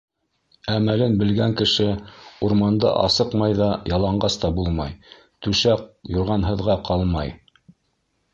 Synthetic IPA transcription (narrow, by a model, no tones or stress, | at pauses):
æmælɘnbɘ̆lɡæŋkɘ̆ʃɘuɾmɑnd̪ɑ̰ʔɑ̰sɤqmɑjðɑjɑlˠɑɴɢɑst̪ɑbulˠmɑj | t̪ʉʃæq̚jŏɾʁɑnɦɤ̆ðʁɑqʰɑlˠmɑj